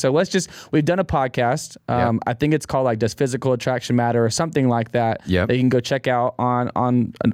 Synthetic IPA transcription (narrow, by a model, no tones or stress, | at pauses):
soʊlətsd̥ʒ̥ʌst̚wivdʌ̃ñəpʰɑd̚kʰæstʔʌ̃ma̰ɪθɪ̃ŋkɨtskʰɔlˠdˡlaɪk̚d̥ʌz̥fɪzɨkl̩ˠətʰɹ̥ækʃɨ̃n̩mæɾə˞əsʌ̃mθɪ̃ŋlaɪk̚ðæt̚jɛ̰ðeɪkʰn̩ɡoʊt͡ʃʰɛkaʊɾn̩n̩̰